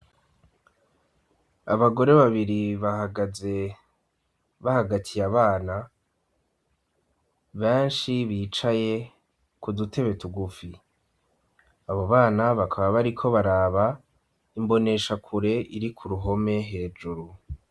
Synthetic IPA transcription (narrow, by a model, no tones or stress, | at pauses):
aβaɡo̞ɾe̞βaβiɾiβahaɡaze | βahaɡatʰijaβaːna | βeːnʃiβiːt͡ʃaje̞ | kudutʰe̞βe̞tuɡufi | aβo̞βaːnaβakʰaβaβaɾikʰo̞βaɾaːβa | imbo̞ne̞ʃakʰuɾe̞ʔiɾikʰuɾuɦo̞me̞ɦe̞ːd͡ʒuɾu